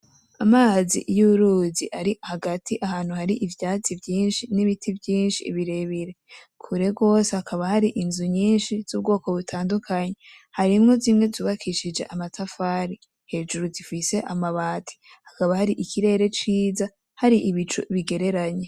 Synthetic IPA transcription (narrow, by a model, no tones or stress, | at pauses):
amaːzḭʔjuβuɾuːziʔaɾihaɡatʰiʔahaːn̥huhaɾiʔivjaːt͡sivjiːnʃiniβitʰivjiːnʃiβiɾe̞βiɾe̞ | kʰuɾe̞ɡo̞ːsehakʰaβahaɾiʔinzuɲiːnʃiz̥uːb̚ɡo̞ːko̞βutʰaːndukʰaɲe̞ | haɾimŋo̞zimŋe̞zuβakʰiʃid͡ʒe̞̰ʔamatʰafaːɾi | he̞d͡ʒuɾuzifise̞ʔamaβaːtʰi̥ | hakaβahaɾiʔikʰiɾe̞ːɾe̞t͡ʃiːza | haɾiʔiβit͡ʃuβiɡe̞ɾe̞ɾaɲe̞